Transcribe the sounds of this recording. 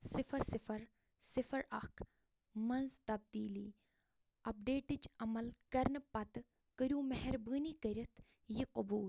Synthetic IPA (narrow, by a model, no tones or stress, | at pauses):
sɪfʰɐɾsɪfʰɐɾ | sɪfɐɾɐkʰ | mɐnzt̪ɐb̚d̪iːliː | ɐp̚ɖeːʈit͡ʃɐmɐlkɐɾnpɐt̪ | kəɾjũːmɐɦɛɾbəːniːkəɾʲɐt̪ʰ | jiqʊbuːl